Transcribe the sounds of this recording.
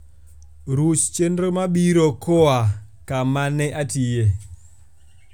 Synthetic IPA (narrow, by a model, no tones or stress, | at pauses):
ɾut͡ʃt͡ʃendɾomabiɾokoa | kamanɛʔatije